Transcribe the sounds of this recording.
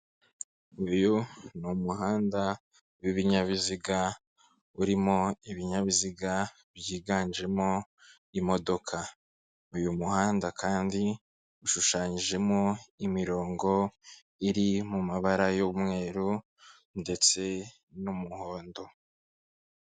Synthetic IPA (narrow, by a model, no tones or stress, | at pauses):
ujunumuɦaːnda | wiβiɲaβiziɡa | uɾimoiβiɲaβiziɡa | βjiːɡaːɲd͡ʒe̞mo̞ | imo̞do̞kʰa | ujumuhaːndakaːndi | uʃuʃaːɲiʒe̞mo̞imiɾo̞ːŋɡo̞ | iɾimumaβaɾajoβumŋe̞ːɾu | nde̞t͡se̞ | numuhoːndo̞